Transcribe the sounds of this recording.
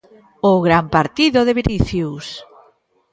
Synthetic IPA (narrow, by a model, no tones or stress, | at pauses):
oɣɾampaɾt̪iðʊðeβeniθjus